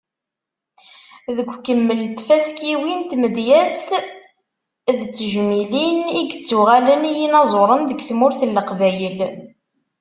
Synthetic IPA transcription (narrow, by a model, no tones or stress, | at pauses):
ðəɡʷkəmːəlt̪fæskiwint̪məd̪jæst̪ | ðt͡sːəʒmiliniɡt͡sːuʁælənijinɑzˤoɾˤənðəɡθmʊɾθəlːəqvæjəl